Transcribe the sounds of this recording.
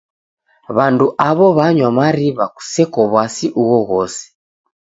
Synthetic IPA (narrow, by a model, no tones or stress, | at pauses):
βanduʔaβɔβaɲwamaɾiβaku̥sɛkɔβwasiʔuɣɔɣɔsɛ̥